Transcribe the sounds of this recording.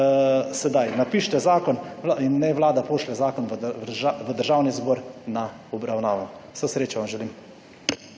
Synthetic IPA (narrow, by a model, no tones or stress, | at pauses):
sɛd̪ajnapiːʃt̪ɛzaːkɔninːɛʋlaːd̪apoːʃlɛzaːkɔnʋaʋəd̪əɾʒaːwnizboːɾna | ɔbɾawnaːʋɔsɛsɾeːt͡ʃaʋamʒɛlim